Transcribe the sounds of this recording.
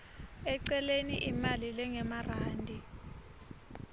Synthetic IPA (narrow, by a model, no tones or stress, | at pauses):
ɛǀɛleniʔimalilɛŋɛmaraːndʱi